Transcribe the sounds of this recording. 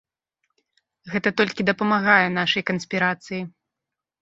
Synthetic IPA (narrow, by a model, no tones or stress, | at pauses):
ɣɛt̪ɐt̪ɔlʲkʲid̪ɐpɐmaɣajɛn̪aʂɐjkɐnsʲpʲiɾat̪sɨji